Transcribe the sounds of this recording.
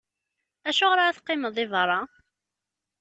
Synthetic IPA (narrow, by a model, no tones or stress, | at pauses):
æʃʊʁɾaæθqːɪməðˤɪvɾˤɑ